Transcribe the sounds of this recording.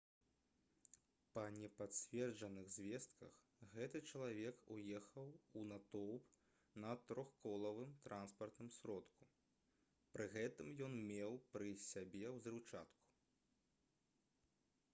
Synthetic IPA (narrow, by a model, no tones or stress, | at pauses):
pɐnʲɛpasʲvʲɛrd͡ʐɐnɨɣzʲvʲɛst̪kʰɐ̰x | ɣɛt̪ɨt͡ʂɐlˠavʲɛkujɛxɐwunat̪ɔwp | nɐt̪ɾɔxkɔlˠɐvɨmt̪ɾʔanspɐrt̪nɨmsʲɾɔt̪ku̥ | pɾɨɣɛt̪ɨmjɔnmʲɛwpɾɨsʲabʲɛwzʲrɨwt͡ʂa̰t̪ku̥